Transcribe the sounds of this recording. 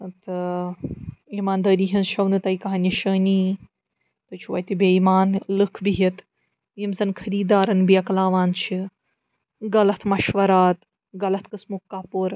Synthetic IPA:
t̪ɨ | imaːnd̪ɐːɾiːɦɐnʃɐwnɨt̪ɐjkɐɦɐnʲiʃɐːni | t̪ɨt͡ʃʰuʋɐ̰jt̪ibeimaːnlɨkʰbiɦit̪ | jimzɐnkʰɐɾiːd̪aːɾɐnbiɐklaːʋaːnt͡ʃʰi | ɡɐlɐt̪ʰmɐʃʋɐɾaːt̪ | ɡɐlɐt̪ʰkɨsmukːaːpuɾ

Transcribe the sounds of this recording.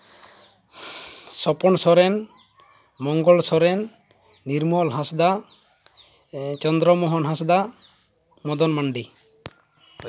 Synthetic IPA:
sɔpɔnsɔɾɛn | mɔŋɡɔlsɔɾɛnː | iɾmɔlɦãsd̪a | t͡ʃɔnd̪ɾɔmɔɦɔnɦãsd̪a | mɔd̪ɔnmaɳɖi

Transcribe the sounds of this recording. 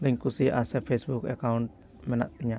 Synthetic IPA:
lɪŋkusiʔa̰sɛfesbukɛkaunt̪̚ | mɛna̰ʔt̪iɲa

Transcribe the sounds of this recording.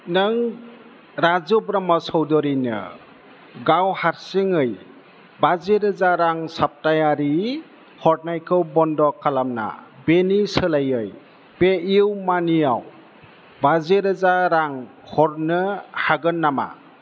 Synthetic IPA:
nɯŋ | ɾazɔbɾamasɔwdɔɾinɯ̰ | ɡawhaɾsiŋɯj | bazeɾɯzaɾaŋsap̚tajaɾi | hɔt̚najkʰɯwbɔndɔkʰːalamna̰benisɯlajɯj | peiwmaniaw | bazeɾɯzaɾaŋ | hɔɾnɯhaɡɯnːama̰

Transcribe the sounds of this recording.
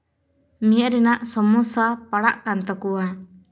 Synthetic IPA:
mijaʔɾɛnaʔsɔmɔsapaɽaʔkant̪ɔkuwa

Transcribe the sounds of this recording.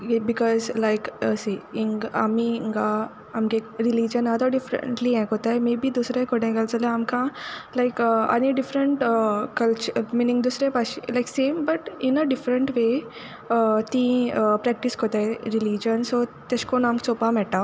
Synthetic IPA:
bikɔzlajkəsiiŋa̰miŋɡaː | mɡeɾilid͡ʑənad̪aɖifɾə̰ɳʈliɛ̃kɦot̪ajmebʱiːd̪usɾẽkoʈẽɡəlt͡sələamkãlajkəa̰niɖifɾəɳʈəkəlt͡ɕuminĩŋɡd̪usɾẽpaɕilajksembəʈinəɖifɾəɳʈʋe | ət̪ĩəpɾɛk̚ʈiskot̪ajɾilid͡ʑənsot̪əɕkonamksopamɛʈa

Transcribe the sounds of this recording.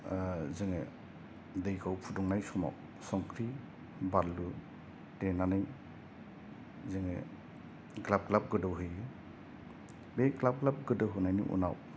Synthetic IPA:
zɯŋe | dɯjkʰawpʰudɔŋnajsɔma̰w | sɔŋkʰɾi | baɾlu | tenanɯj | zɯŋḛ | klab̚klap̚ɡɯdɯwɦɯjɯ | beklap̚klap̚ɡɯdɯɦunajnḭʔṵna̰w

